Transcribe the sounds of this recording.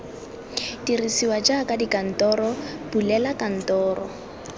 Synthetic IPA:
dirisiwad͡ʒakʼadikan̩tɔɾɔbulɛlakʼan̩tɔːɾɔ̰

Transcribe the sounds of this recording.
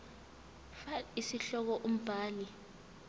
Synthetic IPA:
faisiɬɔk̬ɔʔum̩b̥ʱaːli

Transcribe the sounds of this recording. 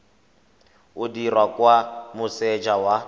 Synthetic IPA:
ʊdirwakʼwamʊsɛd͡ʒawa

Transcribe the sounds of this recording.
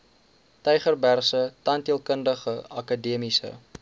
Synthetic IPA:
tɛjχərbærsətɐntiəlˠkəndəχəɐkɐdiəmisə̰

